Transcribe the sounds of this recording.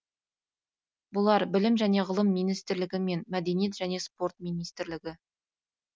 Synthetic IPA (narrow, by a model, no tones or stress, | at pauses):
bʊlˠɑɾbɪlɪmʒæne̞ʁəlˠəmːijnijst̪ɪɾlɪɡʲɪme̞nmæd̪e̞nije̞t̪ʒæne̞spo̞rt̪mijnijst̪ɪɾlɪɡʲɪ